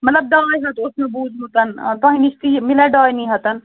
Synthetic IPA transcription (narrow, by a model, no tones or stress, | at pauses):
mɐt̪ləb̚ɖaːjɦət̪osʰmẽbuːd͡ʒʱut̪ənt̪əɦĩnist̪imilaɖaːjniɦət̪ən